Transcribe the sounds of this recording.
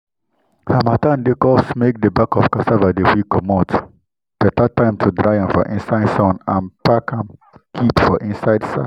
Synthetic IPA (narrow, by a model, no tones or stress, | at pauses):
hamatãndekɔsmek̚dəbakɔfkasavadewikɔmɔt | b̥ɛtatːãɪ̃mtʰudɹaɪãmfɔ̰ʔĩnsaɪdsãnãnpakʰãm | kʰipfɔʔĩnsaɪdsa̰